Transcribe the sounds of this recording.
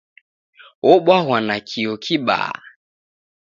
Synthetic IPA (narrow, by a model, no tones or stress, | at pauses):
ɔɓwaɦwanakʰiɔkʰiɓa̰ː